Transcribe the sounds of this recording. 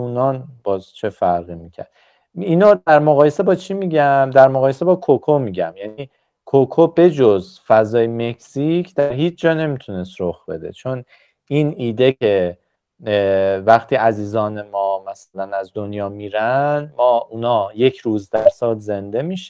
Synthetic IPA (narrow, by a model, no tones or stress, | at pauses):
uːnɒːnbɒːzt͡ʃʰe̞fæɾɣimicʰæ̰ɾd̪̥ | iːnɑd̪æɾmoɣɒːje̞se̞bɒːt͡ʃʰimiːɟæmd̪æɾmoɣɒːjese̞bɒːkʰokʰomiɟæmjæniː | kʰokʰobe̞d͡ʒoz | fæzɒːjeme̞kʰsicʰd̪̥æɾɦiːt͡ʃʰd͡ʒɒːne̞mit̪ʰune̞st̪ɾoxb̥e̞̰d̪e̞̰t͡ʃʰon | iːniːd̪e̞cʰe̞ | væxt̪ʰiːæziːzɒːne̞mɒːmæsælænæzd̪onjɒːmiːɾænmɒːʔunɒːje̞cʰɾuːzd̪æɾsɒːlze̞nd̪e̞miʃ